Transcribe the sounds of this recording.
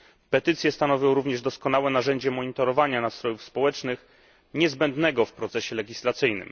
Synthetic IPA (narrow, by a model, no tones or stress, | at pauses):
pɛt̪ɘt̪sʲjɛst̪anɔvʲjɔ̃w̃ɾuvɲɛʐd̪ɔskɔnawɛnaʐɛɲd͡ʑɛmɔɲit̪ɔɾɔvaɲanat̪st̪ɾɔjufspɔwɛt͡ʂnɘx | ɲɛzbɛnd̪nɛɡɔfpɾɔt̪sɛɕɛlɛɡʲislat̪sɘjnɘ̰m